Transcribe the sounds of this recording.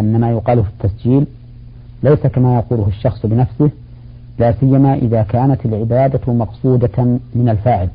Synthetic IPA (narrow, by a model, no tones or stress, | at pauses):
ʔɪnːamaːjʊqɑːlʊfi̥t̪ːasd͡ʒiːl | lajsakamaːjɑquːlʊhʊʃːɑxsˤbɪnafsɪh | laːsɪjːamaʔɪðaːkaːnat̪alʕɪbaːd̪amɑqsˤuːd̪amɪnalfaːʕɪl